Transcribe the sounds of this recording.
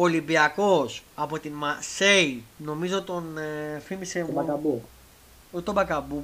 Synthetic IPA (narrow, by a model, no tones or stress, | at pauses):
olimbiɐko̞sɐpo̞t̪inmɐseino̞mizo̞t̪o̞nfimiseɐkɐbu | ut̪obɐkɐbu